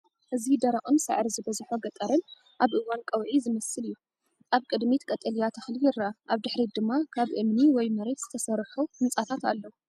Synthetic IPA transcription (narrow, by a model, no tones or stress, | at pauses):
ʔɨzid̪ɐɾaʔʼɨnsɨ̰ʕɾizɨbɐzħoɡɐt̪ʼɐɾɨn | ʔaβʔɨwankʼɐwʕizɨmɐsɨlɨjːu | aβkʼɨd̪mit̪kʼɐt̪ʼɐlijat̪ʰɐxlijɪɾːaʔaβd̪ɨħɾid̪ɨmːakʰaβʔɨmniwɔjmɐɾe̞t̪z̥ɨ̥t̪ʰɐsɐɾħuhɨnsʼat̪ʰat̪a̰lːɐ